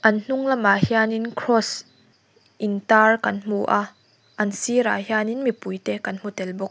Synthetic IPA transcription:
ʔɐnn̥ʊŋlɐmahianinkʰɾɔs | ʔint̪arkɐnm̥uʔa | ʔɐnsiɾa̰ːhiaːninmipujt̪ɛkɐnm̥ut̪ɛlbʊk̚

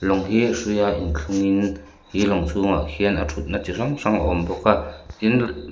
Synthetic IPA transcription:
lɔŋhiʂujaʔinɬʰuŋin | hilɔŋsʰuŋaʔhiɛnʔatʰut̪̚nat͡siraŋʂaŋ̰ʔɔmbɔkaʔtin

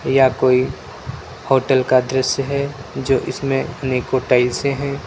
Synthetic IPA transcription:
jakoːi | hoːʈəlkad̪ɾəsjɦɛd͡ʒoːʔɪ̰smẽəneːkoʈaɪlsẽɦɛ̃ː

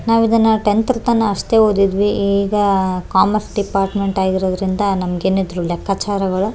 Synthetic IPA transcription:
naːʋid̪ɐnːɐʈent̪ɾɐt̪ɐnːɐːʂt̪e̞ːɦoːd̪id̪ʋiiːɡɐkaːmɐɾsɖipaːɾʈme̞ɳʈaːɡiɾoːd̪ɐɾind̪ɐnɐmɐɡeːnid̪ɾulɛkʰːaːt͡ʃaːɾɐɡɐɭu

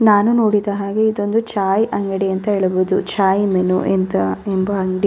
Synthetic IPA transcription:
naːnuno̞ːɽid̪ɐɦaːɡeid̪o̞nd̪ut͡ʃaːjʔɐŋɡɐɽiɐnt̪ɐɦeɭɐbuːd̪ut͡ʃaːjmenṵʔent̪ɐembɐɐŋɡɽi

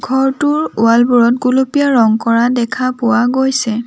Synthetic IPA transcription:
ɡʱɔɹtʊɹʊalbuɹɔtɡulopijaɹɔŋkɔɹadɛkʰapʊwaɡojsɛ

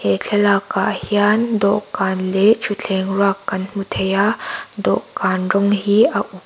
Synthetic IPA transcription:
et͡ɬʰɛlakaʔhiand̪ɔʔkanlɛt͡ʃʰut͡ɬʰɛŋrakːɐnmut̪ʰɛjad̪ɔ̰ʔkaːnrɔŋhiaʔu

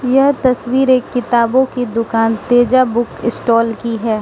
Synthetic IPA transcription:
jɐɦt̪ɐswiːɾeːkːɪt̪aːbõkid̪ʊkaːnt̪eːd͡ʒabʊkɪsʈɔːlkiɦɛː

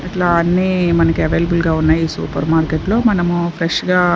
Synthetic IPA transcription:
iʈlaːɐnːiːmɐnɐkieʋeːlɐbulɡaːunːaːjiːsṵːpɐɾmaːɾkeʈlo̞ːmɐnɐmupʰɾeʂɡaː

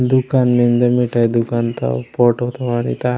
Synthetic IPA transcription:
d̪ukanmend̪ɐmiʈajd̪ukant̪a̰poʈot̪aʋanḭt̪a

